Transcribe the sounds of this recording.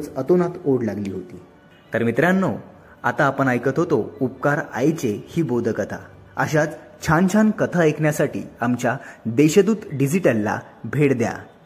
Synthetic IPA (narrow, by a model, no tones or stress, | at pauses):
t͡sət̪onat̪oɽlaɡliːɦot̪iː | t̪əɾmit̪ɾjãnːo | a̰t̪aːpəɳajkət̪ɦot̪oup̚kaɾa̰jt͡sehiːbod̪ʱəkət̪ʰa̰ | əɕat͡s | t͡ɕʰãnt͡ɕʰãnkət̪ʰaekʰɳjasaʈḭːamt͡ɕjad̪eɕəd̪uːt̪ɖid͡ziʈəlːa̰ | bʱeɽd̪ja̰